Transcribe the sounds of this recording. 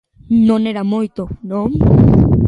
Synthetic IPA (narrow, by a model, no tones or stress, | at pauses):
noneɾamojt̪onoŋ